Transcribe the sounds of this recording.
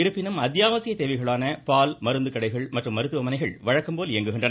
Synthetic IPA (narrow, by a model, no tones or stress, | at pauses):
ɪɾɯpːɪnɯmɐðjaːmɐsɪjɐt̪eːʋɐɪɣɐɭaːnɐpaːlmɐɾɯnd̪ɯkːɐɽɐɪɣɐɭmɐʈrɯmːɐɾɯt̪ːɯʋɐmɐnɐɪɣɐɭʋɐɻɐkːɯmpoːleŋɡɯɣɪɳdrɐn